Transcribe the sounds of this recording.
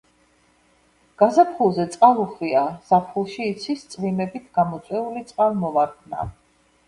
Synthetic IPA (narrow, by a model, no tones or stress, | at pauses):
ɡ̥azapχulˠzɛt̪sʼqʼalˠuχwiaz̥apʰχulˠʃiːt̪sʰwist̪sʼvimɛbit̪ʰɡ̥amɔt̪sʰʼwɛulit̪sʼqʼalˠmɔvaɾkʰna̰